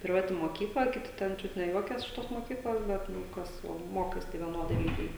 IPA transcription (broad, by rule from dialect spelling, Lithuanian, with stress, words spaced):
pʲrʲɪˈʋɑːtʲɪ moːˈkʲiːklˠɐ kʲɪˈtʲɪ ˈtʲɛn ˈt͡ʃʲʊt nʲɛ ˈjuɔkʲɛs ɪʃ ˈtoːs moːˈkʲiːklˠoːs ˈbʲɛt ˈnʊ ˈkɐs oː ˈmoːkɐɪs tɐɪ ʋʲiɛˈnoːdɐɪ ˈlʲiːɡʲɛɪ